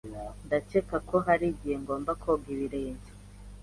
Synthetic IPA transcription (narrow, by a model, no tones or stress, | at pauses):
ndat͡ʃekakoɦaɾiɟiheŋɡo̞ːmbakʰoɡiɾiɾeːɲɟe